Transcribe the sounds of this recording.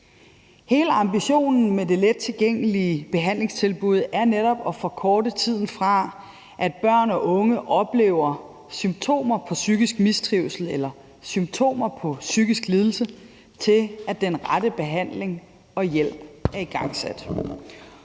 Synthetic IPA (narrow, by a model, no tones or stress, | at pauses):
he̝ːləɑ̈mb̥iɕo̝̰ːnn̩mede̝led̥̚t͡sʰe̝lɡ̥eŋ̰əliəb̥e̝ɦæn̰le̝ŋst͡sʰe̝lb̥uð̞̰ˠæɐneɾ̥ɒ̽b̥ɒ̽fɒ̽kʰɒːd̥ət͡sʰið̞̰ˠn̩fʁɑ̈ | ʔæd̥̚b̥ɶɐ̰nɒ̽ʔɔ̽ŋəʔɒ̽b̥le̝̰ːʊɐ | symt͡sʰo̝̰ːmɐpʰɒ̽syɡ̥isɡ̥misd̥ʰʁiʊsl̩elɐ | symt͡sʰo̝̰ːmɐpʰɒ̽syɡ̥isɡ̥liːð̞ˠl̩sə | t͡sʰe̝læd̥enʁadəb̥e̝ɦæn̰le̝ŋ | ɒ̽jel̰b̥æɐiɡ̥ɑ̈ŋ̰sæd̥